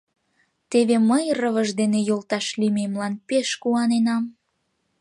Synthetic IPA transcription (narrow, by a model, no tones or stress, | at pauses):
t̪eβeməjrəβəʒd̪enejolt̪ɑʃlimemlɑnpeʃkuɑnenɑm